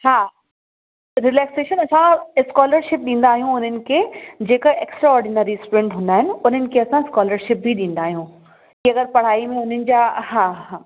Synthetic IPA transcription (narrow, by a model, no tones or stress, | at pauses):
haː | ɾɪlɛːkseːʃənɐsãskɔːləɾʃɪp̚ɗĩːn̆d̪aːɦijũʊn̤ənɪ̆kʰeːd͡ʑeːkəeːksʈɾaɔːɾɖɪnaːɾisʈuɾẽɳʈɦʊ̃nd̪aːɦɪnɪ̆ʊn̤ənɪ̆kʰeɐsãɪskɔːləɾʃɪp̚bʱiɗĩːnd̪aːɦijũ | kiɐɡəɾpɐɽ̤aːimẽʊn̤ənɪ̆d͡ʑaːhãːɦãː